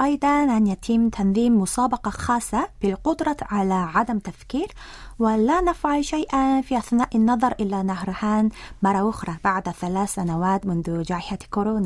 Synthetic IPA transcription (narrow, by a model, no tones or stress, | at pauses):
ʔɑjd̪ˤɑnʔanjat̪ʰɪmːt̪ʰanðˤiːmːʊsɑːbɑqɑxɑːsˤːɑb̥ɪlqʊd̪ɾˤɑʕalaʕad̪amt̪afkiːɾ | wɪlaːnafʕalʃajʔafiːʔaθnaːʔɪnːɑðˤɑɾˤʔɪlːanahɾˤħaːnmɑrˤːɑʔʊxɾˤɑbaʕd̪θalaːθːanawaːt̪mʊnðʊd͡ʒaːʕɪħakoɾoːna